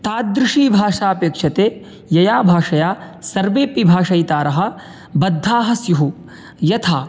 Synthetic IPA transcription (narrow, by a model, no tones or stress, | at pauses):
t̪aːd̪ɾɪʂiːbʱaːʂaːpeːkʂɐt̪eː | jɐjaːbʱaːʂɐjaːsɐɾʋeːpibʱaːʂɐjt̪aːɾɐɦɐ̆ | bɐd̪ʱːaːɦɐsjuɦu | jɐt̪ʰaː